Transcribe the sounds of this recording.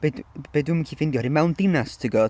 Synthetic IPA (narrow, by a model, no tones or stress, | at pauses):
b̥edb̥eːdɨməkʰiːfɪndjɔhɔɾimɛwndɪnastʰəɡɔ